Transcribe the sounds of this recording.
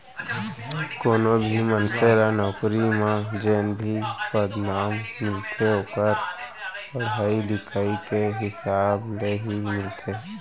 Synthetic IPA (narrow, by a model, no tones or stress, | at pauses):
koːnobʱimənseɾanɔːkɾimãd͡ʒeːnbʱipəd̪naːmmɪlt̪ʰeɦoːkəɾpəɾaːilɪkʰaːikeɦɪsaːbleɦimɪlt̪ʰe